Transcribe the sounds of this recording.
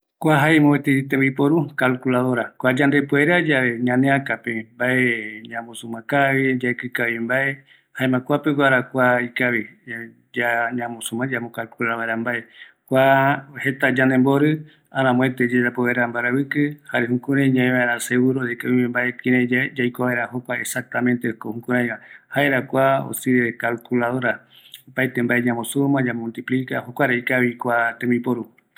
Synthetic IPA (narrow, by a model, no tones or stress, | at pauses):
kʷaɦaemõet̪it̪eβipoɾukalkulaðoɾakʷad͡ʒand̪epoeɾad͡ʒaβeɲãnẽakapembaeɲãmosumãkaβid͡ʒaekɨkaβimbae | haẽmãkʷapewaɾakʷaikaβi | d͡ʒaɲãmosumãd͡ʒamokalkulaβaeɾambae | kʷahet̪ad͡ʒand̪emboɾɨ | aɾãmõet̪ed͡ʒed͡ʒapoeɾambaɾaβɨkɨhaɾeɦũkũɾãjɲãẽβaeɾaseɣuɾodekaβĩmẽmbaekĩɾẽd͡ʒajkoβaeɾahokʷaesak̚t̪amẽ̞nt̪ekohũkũɾ̃ãj̃βahaeɾakʷao̰siekalkulaðoɾa | opajt̪embaeɲãmõsumãd͡ʒamult̪iplika̰hokʷaɾeikaβikʷat̪ẽmĩpoɾu